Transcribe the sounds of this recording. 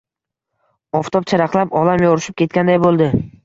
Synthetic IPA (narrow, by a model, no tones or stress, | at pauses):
ɒft̪ʰɒp̚t͡ʃʰaɾɑqlˠapɒlamjɒɾɪʃɪp̚kʲʰe̞t̪̚kʲand̪ajbolˠd̪ɪ